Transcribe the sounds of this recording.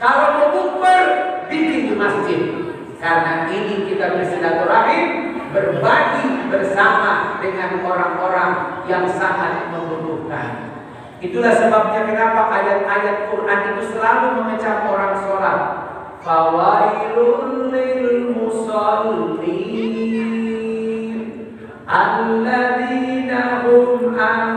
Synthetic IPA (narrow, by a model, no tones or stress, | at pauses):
kalomət̪upərbibit̪umasd͡ʒɪt̪̚ | karənaʔinikit̪abɾesidat̪ɔɾaɦɪn | bərbaɡibərsamadəŋanoɾaŋʔoɾaŋjaŋsaɦat̪̚məmut̪uka̰n | it̪ulahsəbap̚ɲakənapaʔajat̪̚ajat̪̚kuɾnanit̪usəlaluməŋət͡ʃamoɾaŋsolat̪̚ | bawaiɾʊnlilmusɔlli | ʔalːaðinaɦʊma